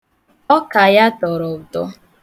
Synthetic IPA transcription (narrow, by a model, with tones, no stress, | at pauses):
ɔ˦ka˨ja˦tɔ˨ɾɔ˨btɔ̰˦